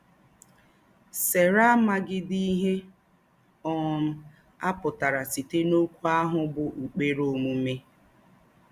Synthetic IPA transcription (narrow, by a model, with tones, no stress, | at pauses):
se˨ɾa˦ma˦ɡɪ˦di˦i˦ɦe˦ | ɔ˨m̩˦ | a˦pʊ˨ta˨ɾa˨si˨te˦no˦kʷu˦a˦ɦʊ˨bʊ˨ʔu˨k͡pe˦ɾo˦˨mu˦m̩˦me˦